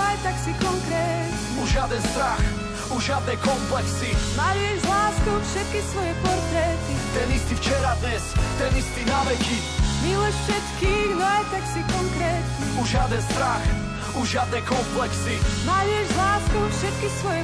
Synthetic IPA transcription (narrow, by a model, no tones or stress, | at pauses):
ajt̪aksikɔŋkɾɛːt̪ | uʒɪad̪ɛnst̪ɾax | uʒɪad̪̚nɛjkɔmplɛksimajʊɛʒzlaːskufʃɛt̪̚kisʋɔjɛpɔɾt̪ɾɛt̪it̪ɛnist̪ift͡ʃɛɾad̪ɲɛst̪ɛnist̪inaʋɛci | milɔʃfʃɛt̪kiːxnɔajt̪aksikɔŋkɾɛːt̪ɲɛuʒɪad̪ɛnst̪ɾax | uʒɪad̪nɛjkɔmplɛksimajuɛʒlaːskufʃɛt̪̚kisʋɔjɛ